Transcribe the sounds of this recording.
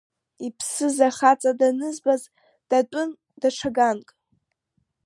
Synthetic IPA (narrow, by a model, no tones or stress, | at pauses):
ipʰsɨzaχat͡sʼadanɨzbaz | d̥atʷʼʊn | daʈ͡ʂʰaɡankʼ